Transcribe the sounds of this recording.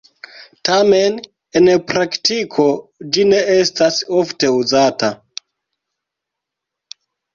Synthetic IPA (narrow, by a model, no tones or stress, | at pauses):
tamen | enpɾaktikʰod͡ʒine̞estasofte̞uzata